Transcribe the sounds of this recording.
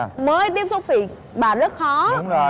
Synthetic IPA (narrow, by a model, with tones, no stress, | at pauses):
məː˨˧˦jt̪i˦˥əp̚so˧˥fḭ˧˨ək̚ | ɓaː˨˩zə˦˥t̚xɔ˨˦ŋ͡m